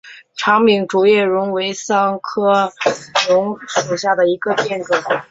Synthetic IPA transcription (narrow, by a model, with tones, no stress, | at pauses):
ʈ͡ʂʰɑ˧˥ŋmi˧˥ŋʈ͡ʂu˨˩jɛ˥˩ɻʊ˧˥ŋwe˧˥ɪsɑ˥ŋkʰɤ˥ɻʊ˧˥ŋʂu˨˩ɕja˥˩d̪ə˩i˧˥ɡə˧pjɛ˥˧nʈ͡ʂɤ˥˩ŋ